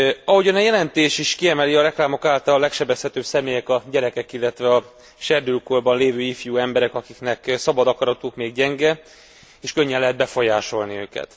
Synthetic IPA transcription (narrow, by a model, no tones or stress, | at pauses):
ɒɦo̞ɟɒnɛjɛlɛnt̪eːʃiʃkiɛmɛliɒɾɛklaːmo̞kaːlt̪ɒllɛkʃɛbɛshɛt̪øːbsɛmeːjɛkɒɟɛɾɛkɛkilːɛt̪ʋɛɒ | ʃɛrd̪ylkorbɒnleːvøːifjuːɛmbɛɾɛkɒkiknɛksɒbɒd̪ɒkɒɾɒt̪uːkmeːɡɟɛŋɡɛ | eːʃkøɲːɛnlɛɦɛd̪̚bɛfojaːʃo̞lniøːkɛ̰t̪